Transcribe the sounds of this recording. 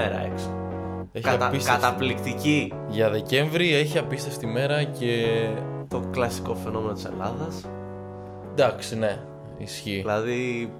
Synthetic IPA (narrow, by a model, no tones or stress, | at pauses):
eɾɐ̰ḛkso | eçiɐpiskɐet̪ɐplikt̪ici | ʝɐðe̞ce̞ɱvɾie̞çiɐpist̪efst̪ime̞ɾɐce̞ | t̪o̞klɐsi̥ko̞fe̞no̞me̞not̪ise̞̰lɐðɐs | d̪ɐksine̞ | isçilɐði